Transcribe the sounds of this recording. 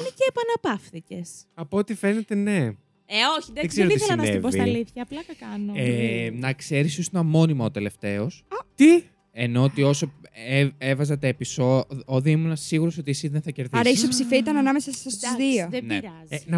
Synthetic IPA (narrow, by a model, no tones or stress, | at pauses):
niceːpɐnɐpɐfθice̞sɐpoot̪ife̞ne̞t̪e̞ne̞ | eoçiðeðeɡzeɾoisθelɐnnɐnset̪vbosɐliθçɐːplɐk̪ɐkɐnoenɐkse̞ɾisosnɐmo̞nimɐot̪ele̞ft̪e̞o̞st̪i | eno̞ot̪io̞so̞eevɐzɐt̪episooðiimunɐsiɣuɾo̞so̞t̪isiðenθɐceɾðiɐɾɐisopsifiit̪ɐnɐnɐmesɐsɐst̪zðio̞ðeneɾɐznɐ